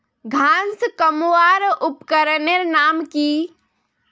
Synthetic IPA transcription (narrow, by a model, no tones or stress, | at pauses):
ɡʱãskəmwaɾupkəɾəneɾnaːmki